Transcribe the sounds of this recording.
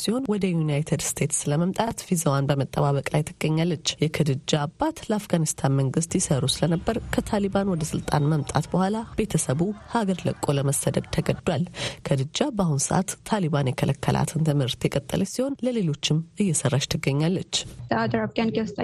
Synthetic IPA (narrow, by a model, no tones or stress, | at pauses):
siho̞nwɔd̪əjunajt̪ʰed̪st̪ʰe̞t̪sləməmt̪ʼat̪fizəwanbəmət̪ʼːəβaβəkʼlajt̪ʰɨɡːəɲːalːət͡ʃːjɛkʰɨd̪ɨd͡ʒːabːat̪ləafɡanist̪ʰanməŋɡɨst̪jɪsəɾusɨlənəbːəɾkʰət̪ʰaliβanwɔd̪əsɨlt̪ʼa̰nməmt̪ʼa̰t̪bəhʷwalab̥e̞t̪ʰəsəβuhaɡəɾlə̰kʼːoləməsːəd̪əd̪̚t̪ʰəɡəd̪ːwalkʰəd̪ɨd͡ʒːabəahunsəʔa̰t̪ʰːaliβanjɛkʰəlʔəkʰːəlʔa̰t̪ʰɨnt̪ʰɨmhɨɾt̪jɛkʼət̪ʼːə̰lʔəsiho̞nləle̞lo̞t͡ʃːɪmɨjːɛsərːaʃt̪ʰɨɡːəɲːalːət͡ʃːəad̪ɾafɡanɡewst̪ʼ